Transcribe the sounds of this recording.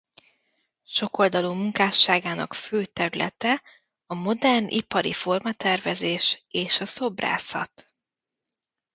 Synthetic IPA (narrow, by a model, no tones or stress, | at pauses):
ʃo̞ko̞ld̪ɒlumuŋkaːʃːaːɡaːnɒ̰kføːt̪ɛɾylʔɛ̰t̪ɛ | ɒmo̞d̪ɛrnʔḭpɒɾḭfo̞rmɒt̪ɛrvɛzeːʃeːʃɒso̞bra̰ːsɒ̰t̪